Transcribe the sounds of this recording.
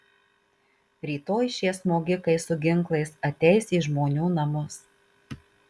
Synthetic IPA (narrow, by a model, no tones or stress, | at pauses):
ɾʲiːt̪oːjʃʲeːsmoːɡʲɪkɐɪsʊɡʲɪŋˑklˠɐɪsɐt̪ʲɛɪsiːʒmoːnʲuːnɐmʊs